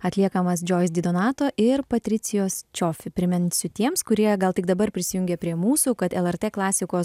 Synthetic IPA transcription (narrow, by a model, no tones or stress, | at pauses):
ɐt̪ʲlʲiɛkɐmɐs̬d͡ʒʲoːɪsd̪ʲɪd̪oːnɑːt̪oːʔɪɾpɐt̪ʲɾʲɪsʲɪjoːst͡ʃʲofʲɪpʲɾʲɪmʲɛnʲsʲʊt̪ʲiɛmskʊɾʲiɛɡɐlˠt̪ʲɪɡd̪ɐbɐɾpʲɾʲɪsʲɪjʊŋʲɡʲɛpʲɾʲiɛmuːsuːkɐt̪ɛlˠɛɾt̪ʲeːklˠɑːsʲɪkoːs